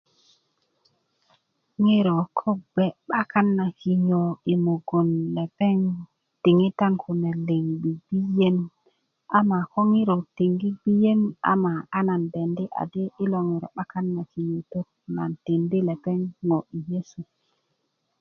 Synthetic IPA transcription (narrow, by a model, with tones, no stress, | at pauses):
ŋi˦ɾo˨kʰo˦be˨ɓa˦ka˦nːa˨ki˨ɲo˨i˨mo˨ɡo˨nle˨pe˦ŋ | ti˨ŋi˦ta˦nkʰu˨ne˨li˨ŋbi˨bi˦je˦n | a˦ma˨ko˦ŋi˦ɾo˨ti˨ŋɡi˦bi˦je˦na̰˨ma˨a˦na˨nbe˨ndi˦ʔa̰˨di˦i˦lo˨ŋi˨ɾo̰˨ɓa˦ka˦nːa˨ki˨ɲo˨to˦k̚ | na˨nti˨ndi˦le˨pe˦ŋːo˨i˨je˦su˨